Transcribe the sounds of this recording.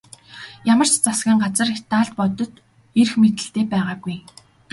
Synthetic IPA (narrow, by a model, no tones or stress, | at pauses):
jamə̆r̥t͡ɕt͡sasɡiːŋɢat͡sə̆ret̪aːɮt̪̚pɔt̪ɞ̆t̪ | er̆xmet̪ɘ̆ɬt̪eːpæːʁaːɡuj